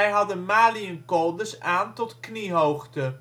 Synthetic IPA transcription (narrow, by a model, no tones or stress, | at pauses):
ɛjɦɑdənmaːliənkɔlˠdəsaːntɔtkniɦowχtə